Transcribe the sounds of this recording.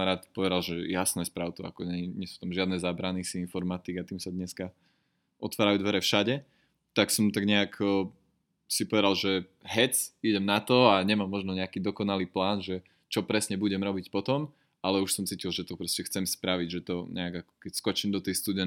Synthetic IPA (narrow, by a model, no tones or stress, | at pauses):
ɾaːt̪pɔʋɛd̪alʒɛjasnɛspɾaʊt̪ɔa̰kɔɲɛɲɛɛsu̥t̪amʒɪad̪nɛzaːbɾanisiinfɔɾmaːt̪iɡat̪iːmsad̪ɲɛska | ʔɔt̪ʋaːɾajud̪ʋɛɾɛfʃaɟɛ | t̪aksɔmt̪aɡɲɛakː | sipɔʋɛd̪alˠʒɛɦɛt͡siɟɛmnat̪ɔaɲɛmaːmːɔʒnɔɲɛakiːd̪ɔkɔnaliːplaːnʒɛ | t͡ʃɔpɾɛsɲɛbuɟɛmɾɔbicpɔt̪ɔm | alɛuʃsɔmt͡siːcilˠʒɛt̪ɔpɾɔscɛxt͡sɛmspɾaʋiɟʒɛt̪ɔɲʔɛaɡakɔ̥kɛcskɔt͡ʃimd̪ɔt̪ɛjst̪ud̪ɛ